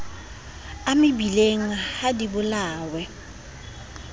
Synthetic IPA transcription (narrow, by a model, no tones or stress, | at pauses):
amɪbileŋ̩ahadibʊlaːwɛ